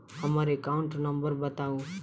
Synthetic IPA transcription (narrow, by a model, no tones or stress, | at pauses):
ɦəmaɾekaʊ̃ɳʈnəmbəɾbət̪aũ